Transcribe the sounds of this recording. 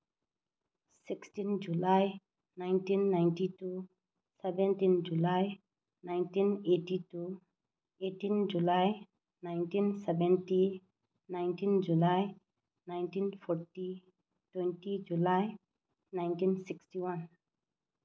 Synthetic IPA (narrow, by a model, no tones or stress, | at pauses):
siksʈind͡ʒulaj | najntinːajnʈitu | sɛbɛntind͡ʒulaj | najnʈineʈitu | eʈind͡ʒulaj | najnʈinsɛbɛnʈi | najnʈind͡ʒulaj | najnʈinpʰɔɾʈi | twɛnʈid͡ʒulaj | najnʈinsiksʈiwan